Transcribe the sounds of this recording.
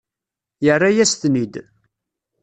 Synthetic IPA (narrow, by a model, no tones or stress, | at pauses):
jərˤːajæsθnid̪